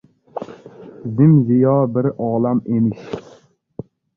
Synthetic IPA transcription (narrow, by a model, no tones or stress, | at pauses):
zɪmzɪjɒbɪɾɒːlamemɪʃ